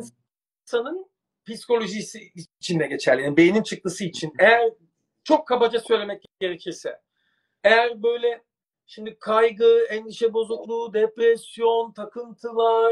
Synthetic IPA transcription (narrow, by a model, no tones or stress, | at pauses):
sanɯn | pisi̥ko̞lʲo̞ʒisiːt͡ʃʰind̪ɛɟe̞t͡ʃʰæɾlʲininbejinint͡ʃʰɯk̚t̪ɯsɯit͡ʃʰinejæɾ | t͡ʃʰo̞kʰːabad͡ʒasø̞jlʲemɛc̚ɟe̞ɾecʰiɾsɛ̰ | ejæɾbø̞jlʲɛ | ʃimd̪ikʰajɡɯæniʃɛbo̞zuklˠuːd̪epɾɛsijo̞nt̪ʰakʰɯnt̪ʰɯlˠaɾ